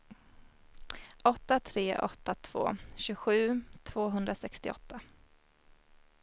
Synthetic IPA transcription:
ʔɔt̪ːat̪ʰɾeːʔɔ̰t̪ːat̪ʰv̥o̰ːɕɵɡɧʉ̟ːt̪ʰv̥oːɦɵnd̪ɾasɛkst̪ɪɔ̰t̪ʰːa

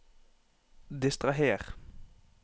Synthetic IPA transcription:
d̪ɪst̪ʁɑɦeːʁ

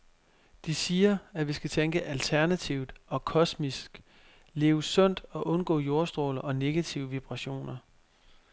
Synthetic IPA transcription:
d̥isiːɐæʋisɡ̥æt͡sʰeŋɡ̥əʔælt͡sʰæɐnæt͡sʰiʊ̰d̥ɒ̽kʰɒ̽smisɡ̥ | le̝ːʊsɔ̽n̰d̥ɒ̽ʔɔ̽nɡ̥ɔ̰̽ːjo̝ɐsd̥ʁo̰ːlɐʔɒ̽ne̝ɡ̥æt͡sʰiʊəʋib̥ʁɑ̈ɕo̝̰ːnɐ

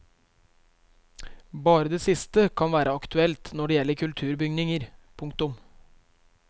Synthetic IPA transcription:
bɑːɾəd̪eːsɪst̪əkʰɑnʋæːɾʔəɑkt̪ʉɛlt̪nɔɖeːjɛlːəɾkʰʉlt̪ʰʉːɾbʏɡnɪŋəɾpʰʊŋkt̪ʊm

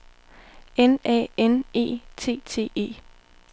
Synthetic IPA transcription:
enɛ̰ːene̝̰ːt͡sʰe̝̰ːt͡sʰe̝̰ːe̝̰ː

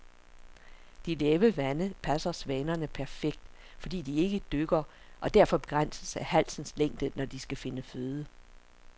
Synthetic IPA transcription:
d̥ileːʋəʋænəpʰæsɐsʋɛːnɐnəpʰæɐfeɡ̥̚d̥ | fɒ̽d̥ḭːd̥ie̝ɡ̥əd̥øɡ̥ɐ | ʔɒ̽d̥æɐfɒ̽b̥e̝ɡ̥ʁan̰səsæhæl̰sn̩sleŋ̰d̥ənɒd̥isɡ̥æfe̝nəføːðˠə

